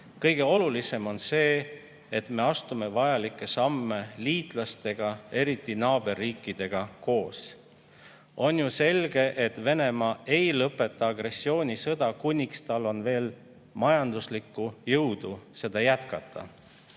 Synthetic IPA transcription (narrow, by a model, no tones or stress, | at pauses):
kɤjɡe̞o̞lulise̞mo̞nse̞ː | et̪me̞ɑst̪ume̞vɑjɑlikːˑe̞sɑmːe̞liːt̪ˑlɑst̪e̞ɡ̥ɑe̞ɾit̪ːˑinɑːb̥e̞rːiːkːˑid̪̥e̞ɡ̥ɑko̞ːs | o̞njuse̞lɡ̥e̞ʔet̪ːve̞ne̞mɑːe̞jlɤpːˑe̞t̪ːˑɑɑɡre̞sːio̞ːnʲisɤd̪̥ɑkunʲːikst̪ɑlːo̞nve̞ːl | mɑjɑnd̪̥uslikːˑujɤwd̪̥use̞d̪̥ɑjæt̪kɑt̪ːˑɑ̰